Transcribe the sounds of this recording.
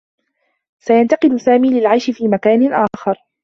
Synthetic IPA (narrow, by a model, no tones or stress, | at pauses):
sajant̪ɑqɪd̪ʊsaːmiːlɪlʕajʃɪfiːmakaːnɪʔaːxɑɾˤ